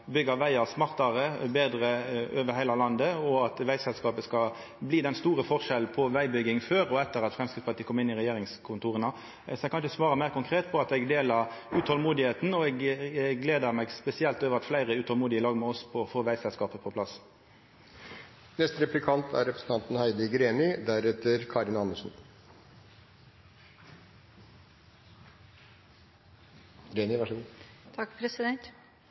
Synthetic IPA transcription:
bʏɡəʋæɪɑʁsmɑʁt̪ɑʁəbeːd̪ʁəøːʋəhæɪlɑlɑnd̪əɔɑt̪ʋæɪsɛlskɑːpəskɑ | bliːd̪ɛnst̪uːʁəfɔʁʂɛlnpʰɔʋæɪbʏɡɪŋføːɾɔɛt̪ːəʁɑt̪fʁɛmskɪt̪spɑt̪ʰiːkʰɔmɪnːɪʁɛjeːʁɪŋskʰʊnt̪uːʁənɑ | sɔɛɡ̚kʰɑnʃəsʋɑːʁəmæɪʁkʊŋkʰʁeːt̪pʰɔɑt̪ɛɡd̪eːlɑʁʉːt̪ʰhɔlmuːd̪ɪheːt̪n̩ɔɛɡɡleːd̪əʁmɛɡspɛsɪɛlt̪oːʋəʁɑt̪flæɪʁəʉːt̪ʰhɔlmuːd̪ɪəlɑːɡmɛɔspʰɔɔfoːʋæɪsɛlskɑːpəpʰɔpʰlɑs | nɛst̪ɾɛplɪkʰɑnt̪ʰæ̰ɾɛpɾəsn̩t̪ɑnt̪n̩hæɪd̪əɡɾeːnɪd̪æɾɛt̪əɾkʰɑɾɪnɑnːəʂn̩ | ɾeːnɪʋæʂəɡuːt̪ʰɑkpʰɾɛsɪd̪ɛnt̪

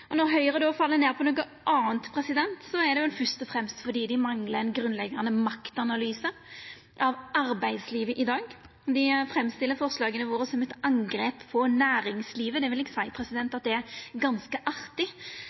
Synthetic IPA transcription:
ɔnɔɾɦœʏɾəd̪ɛɔfɑlːəneːʁpʰɔnoːɡə | ʔɑːənt̪pʰɾʁɛsɪd̪ɛnt̪sɔæʁd̪ɛjʊɛnfœst̪ɔfʁɛmst̪fɔd̪iːd̪ɪmɑŋləɛnɡɾʉnlɛɡːɑnəmɑkt̪ɑnɑlyːsə | ʔɑʋɑɾbæɪd̪sliːʋəʔɪd̪ɑːɡ | d̪ɪfɾɛmːst̪ɪlːəɾfɔʁslɑːɡənəʋoːɾəsɔmɛt̪ɑŋɡɾeːppʰɔnæːɾɪŋsliːʋəd̪ɛʋɪlɪkːsæɪpʰɾɛsɪd̪ɛnt̪ɑt̪̚d̪ɛæɾɡɑnskəʔɑʁt̪ɪ

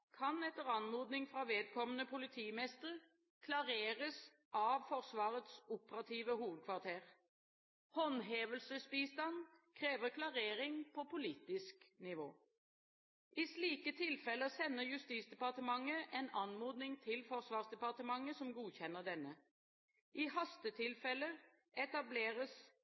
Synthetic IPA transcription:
kʰɑnɛt̪əʁɑnmuːd̪nɪŋfʁɑʋeːd̪̚kʰɔmənəpʰʊlɪt̪ʰiːmɛst̪əʁ | kʰlɑʁeːʁəs | ʔɑʋfɔʁsʋɑːʁət̪sʊpəʁɑt̪ʰiːʋəhuːʋəd̪̚kʰʋɑʁt̪ʰeːʁ | hɔnɦeːʋəlsəsbiːst̪ɑnkʰʁeːʋəkʰlɑʁeːʁɪŋpʰɔpʊliːt̪ɪsknɪʋo̰ː | ʔɪsliːkət̪ʰɪlfɛləsɛnːəjʉst̪iːt̪sd̪ɛpɑʁt̪əmɑŋːəʔɛnɑnmuːd̪nɪŋt̪ʰɪlfɔʁsʋɑːʁsd̪ɛpɑʁt̪əmɑŋːəsɔmɡuːçɛnːəʁd̪ɛnːə | ʔɪhɑst̪ət̪ʰɪlfɛlə | ɛt̪ɑbleːʁəs

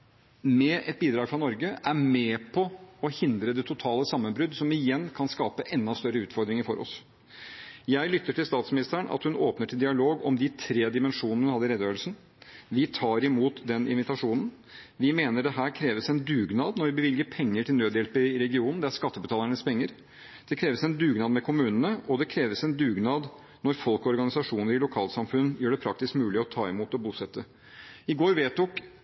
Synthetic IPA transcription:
mɛʔɛt̪̚biːd̪ɾɑːɡfɾɑnɔɾɡəʔæmɛːpʰɔɔhɪnd̪ɾəd̪ɛt̪ʰʊt̪ʰɑːləsɑmːənbɾʉd̪sɔmɪjɛnːkʰɑnskɑːpəʔɛnːɑst̪œɾəʉːt̪fɔɾd̪ɾɪŋəɾfɔɾɔ̰s | jæɪlʏt̪ːəʈʰɪlst̪ɑːt̪smɪnɪst̪əəɳɑ̰t̪hʉnoːpnəʈʰɪld̪ɪɑloːɡɔmd̪ɪt̪ʰɾeːd̪ɪmɛnʂuːnnəhʉnhɑd̪ːəɾɛd̪øːɾlsn | ʋɪt̪ʰɑːɾɪmuːt̪d̪ɛnɪ̰nʋɪt̪ɑʂuːnən̩ | ʋɪmeːnəɖɛɦæːɾkʰɾeːʋəsɛnd̪ʉːɡnɑːd̪nɔɾʋɪbəʋɪlɡəɾpʰɛŋːəʈɪlnøːd̪jɛlpəɪɾɛɡɪuːnn̩d̪ɛæɾʂkɑt̪ːəbət̪ʰɑːləɳəspʰɛŋːəɾ | d̪̥ɛkʰɾeːʋəsɛnd̪ʉːɡnɑːd̪mɛkʰʊmʉːnənəʔɔd̪ɛkʰɾeːʋəsɛnd̪ʉːɡnɑːd̪ | nɔɾfɔlkɔɾɡɑnɪsɑʂuːnəɾɪlʊkʰɑːlt̪sɑmfʉnjøːɖɛpʰɾɑk̚t̪ɪskmʉːlɪɔt̪ʰɑːɪmuːt̪ɔbuːsɛt̪ʰːə | ɪɡoːɾʋeːt̪ɔk

